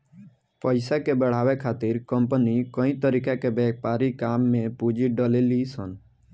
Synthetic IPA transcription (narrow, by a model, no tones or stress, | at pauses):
pəɪsakebəɽ̤aːwekʰaːt̪ɪɾkəmpənikə̃ĩt̪əɾikakebɛːpaːɾikaːmːẽpud͡ʒiɖəlelisən